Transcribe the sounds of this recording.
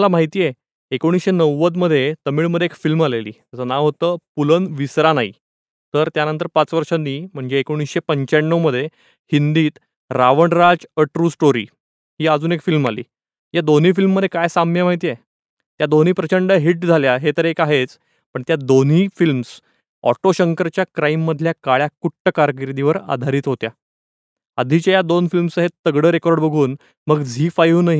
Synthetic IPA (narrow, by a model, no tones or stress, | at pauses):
lamaɦit̪iːjeː | koɽ̃isɕenəwːət̪̬məd̪ʱːjet̪əmiːɭməd̪ʱjeekfilmalelḭːt̪əsənaʋɦot̪əːpulənʋisɾanaḭ | t̪əɾt̪janənt̪əɾpat͡sʋəɾʂənːiːm̤əɳd͡zeːkoɽ̃isɕepəɲt͡ɕanːəwməd̪ʱːje | hind̪iːt̪ | ɾaʋəɳɾad͡zəʈɾuːsʈoɾḭː | ɦiːəd͡zuːnekfilmalḭː | jad̪on̤iːfilmːəd̪ʱːjekajsamjamaɦit̪iːje | t̪jad̪on̤iːpɾət͡ɕəɳɖəɦiʈ̚d͡zʱaljaɦet̪əɾekaɦet͡s | pəɳt̪jad̪on̤iːfilms | ɔ̰ʈoɕəŋkəɾt͡ɕjakɾaimːəd̪ʱljakaɭjakuʈʈəkaɾk̬iɾd̪iʋəɾa̰d̪ʱaɾiːt̪ɦot̪ja | əd̪ʱit͡ɕajad̪onfilmsəɦet̪əɡɽəːɾekɔɾɖbəɡʱuːn | məɡd͡zʱiːfajunaɦi